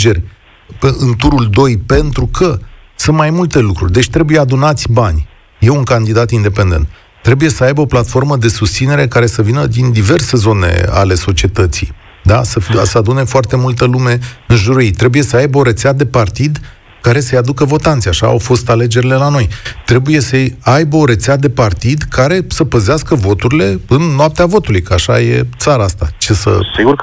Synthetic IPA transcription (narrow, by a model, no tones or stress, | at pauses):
d͡ʒe̞rʲ | eʔɨnt̪uɾuld̪o̞jpe̞nt̪ɾukʰə | sɨnt̪majmult̪e̞lukɾṵrʲd̪e̞t͡ʃʲt̪ɾe̞buje̞ad̪unat̪sʲbanʲ | je̞uŋkand̪id̪at̪ind̪e̞pe̞nd̪e̞nt̪ | t̪ːɾe̞buje̞səajbeoplat̪fo̞rməd̪e̞sust̪sine̞ɾe̞kaɾe̞səvinəd̪ind̪ive̞rse̞zo̞ne̞̰a̰le̞so̞t͡ʃie̞t̪ət̪sḭ | d̪asəfisəad̪une̞foart̪e̞mult̪əlume̞ɨnʒuɾujejt̪ɾe̞buje̞səajbəoɾe̞t̪sead̪e̞part̪id̪ | kaɾe̞səjad̪ukəvo̞t̪ant̪siaʃa̰ːwfo̞st̪ale̞d͡ʒe̞ɾile̞lano̞jt̪ɾe̞buje̞səajbəo̞ɾe̞t̪sead̪e̞part̪id̪kʰaɾe̞səpəzeaskəvo̞t̪uɾile̞ɨnːoap̚t̪eavo̞t̪ulujkəaʃa̰je̞̰t̪saɾaast̪a̰t͡ʃe̞sə̰siɡur